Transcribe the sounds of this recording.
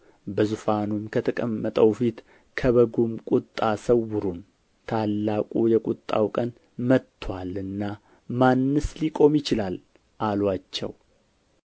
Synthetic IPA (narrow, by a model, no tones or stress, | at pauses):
bəzufanumkʰət̪ʰəkʼəmːət̪ʼəwfit̪ | kʰəβəɡumkʼʊt̪ʼːasəwːʊɾun | t̪ʰalːakʼujɛkʼʊt̪ʼːa̰wkʼən | mət̪ʰːwʷalɨnːa | manːɨslikʼo̞mjɪt͡ʃɪlal | ʔalwat͡ʃːɛ̰w